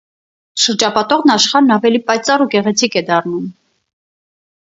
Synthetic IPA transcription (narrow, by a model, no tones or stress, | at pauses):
ʃəɾd͡ʒɑpɑt̪ɔʁnɑʃχɑɾnɑvɛlipɑjt͡sɑruɡɛʁɛt͡sʰikɛd̪ɑrnum